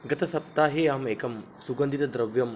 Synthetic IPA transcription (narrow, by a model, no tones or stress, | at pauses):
ɡɐtʰɐsɐp̚taɦeaɦmekʰɐm | suɡɐnd̪idɐd̪ɾɐbjɐm